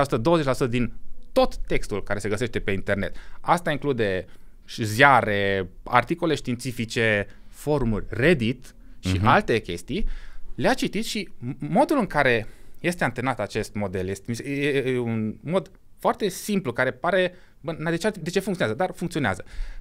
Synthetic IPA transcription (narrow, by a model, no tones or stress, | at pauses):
asu̥t̪əd̪ooəzet͡ʃʲlasut̪əd̪int̪o̞t̪ːe̞kst̪ulkaɾe̞se̞ɡəse̞ʃt̪epe̞int̪e̞rne̞̰t̪ast̪aiŋklud̪e̞ | ʃzjaɾe̞a̰rt̪ikole̞ʃt̪int̪sifit͡ʃe̞fo̞rmurʲred̪it̪ | ʃialt̪e̞kʲe̞̰st̪ijleat͡ʃit̪it̪ʃimo̞d̪ulɨŋkaɾe̞je̞st̪eant̪e̞nat̪at͡ʃe̞st̪mo̞d̪e̞ljest̪emiseunmo̞d̪ | foart̪e̞simplukaɾe̞paɾe̞ | bənad̪et͡ʃead̪e̞t͡ʃe̞fuŋkt̪ionazəd̪arfuŋkt̪io̞nea̰zə